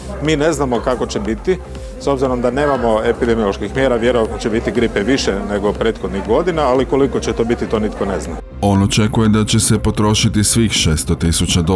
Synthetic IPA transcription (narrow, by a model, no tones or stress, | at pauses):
miːne̞znamo̞kako̞t͡ɕe̞bit̪i | so̞bziɾo̞md̪ane̞ːmamo̞e̞pid̪emiolˠoʃkixmje̞ːɾaʋje̞ɾoat̪not͡ɕebit̪iɡɾipeʋiʃene̞ɡo̞pɾe̞ːt̪xod̪niɣɡo̞d̪inaːliko̞liko̞t͡ɕet̪o̞ːbit̪it̪o̞ːnit̪ko̞ne̞zna̰ | o̞not͡ʃe̞kuje̞d̪at͡ɕe̞se̞po̞t̪ɾo̞ːʃit̪isʋiːxʃeːst̪ot̪isut͡ɕad̪o